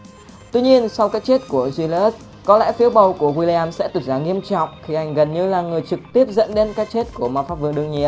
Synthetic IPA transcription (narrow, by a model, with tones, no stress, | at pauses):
t̪wi˧ɲi˧ənsa˧wkaː˦˥k̚t͡ɕe˦˥t̚ku˧˩əzwi˧lə˦˥s | kɔ˨˦lɛ̰˧˥fi˨˦əwɓə˨˩wku˧˩əɣwi˧li˧aː˧msɛ̰˧˥t̪wt̚zaː˧˩ŋi˧əmt͡ɕɔ̰˧˨wŋ͡mxi˧˩ʔa˨˩jŋ̟ɣə˨˩nɲɨ˧laː˨˩ŋɨ˨˩əjt͡ɕɨ˨˩k̚t̪i˦˥əp̚zə̰˧˥nɗe˧nkaː˦˥k̚t͡ɕe˦˥t̚ku˧˩əmaː˧˩wfaː˦˥p̚vɨ̰˧əŋɗɨ˧əŋɲḭ˧˨ə